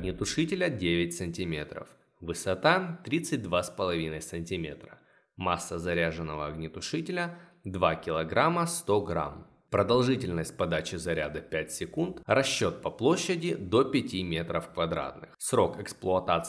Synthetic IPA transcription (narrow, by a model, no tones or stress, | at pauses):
ɡnʲɪt̪ʊʂɨtʲɪlʲədʲevʲɪt̚ʲsɨnʲtʲɪmʲe̞t̪ɾə̰f | vɨsɐt̪at̪ɾʲit̪sɨt̚ʲd̪vaspəlˠɐvʲinəjsənʲtʲɪmʲet̪ɾə | masːəzɐɾʲaʐɨnːəvəɐɡnʲɪt̪ʊʂɨtʲɪlʲəd̪vakʲɪlˠɐɡɾaməst̪o̞ɡɾa̰m | pɾəd̪ɐlˠʐɨtʲɪlʲnəsʲt̚ʲpɐd̪at͡ɕɪzɐɾʲa̰d̪əpʲætʲsʲɪkunt̪rɐɕːo̞t̪̚pɐplˠo̞ɕːɪdʲɪd̪o̞pʲɪtʲimʲe̞t̪ɾəfkvɐd̪ɾa̰t̪nɨxsɾo̞kɛksplˠʊɐt̪at̪s